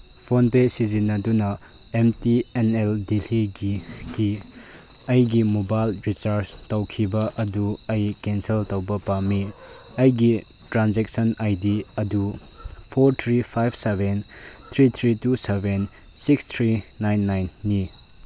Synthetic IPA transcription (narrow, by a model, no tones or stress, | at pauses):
pʰonpesizinːɐdunɐ | emtieneldiliɡiɡ̥i | ɐjɡimobajlɾit͡ʃaɾstɐwkʰibɐʔɐduɐjkenseltɐwbɐpami | ɐjɡi | tɾanzek̚sɐnajdiɐdu | pʰoɾt̪ʰɾipʰajbsebent̪ʰɾit̪ʰɾituseben | sikst̪ʰɾinajnːajnːi